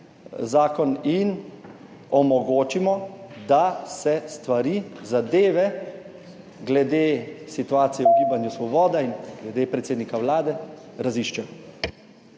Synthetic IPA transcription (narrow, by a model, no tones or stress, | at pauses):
zaːkɔnin | ɔmɔɡoːt͡ʃimɔd̪asɛst̪ʋaɾiːzad̪eːʋɛ | ɡlɛd̪eːsit̪uaːt̪sijɛuɡiːbanjusʋɔbɔːd̪ainɡlɛd̪epɾɛt̪seːd̪nikawlaːd̪ɛɾaziʃt͡ʃɛ